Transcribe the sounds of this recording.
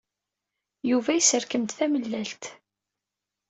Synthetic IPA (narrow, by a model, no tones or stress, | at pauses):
juvæisəɾkəmt̪θæməlːælt̪